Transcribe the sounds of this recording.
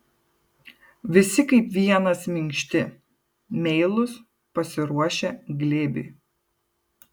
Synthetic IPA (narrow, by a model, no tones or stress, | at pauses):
ʋʲɪsʲɪkɐɪpʋʲiɛnɐsmʲɪŋʲkʃʲt̪ʲɪ | mʲɛɪlˠʊs | pɐsʲɪɾuɔʃʲɛɡlʲeːbʲḭː